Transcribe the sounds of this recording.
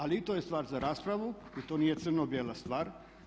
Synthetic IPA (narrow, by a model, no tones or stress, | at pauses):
aliit̪ojest̪ʋaːɾzaɾaːspɾaʋuit̪oniːjet̪sɨrnobjelˠast̪ʋaːɾ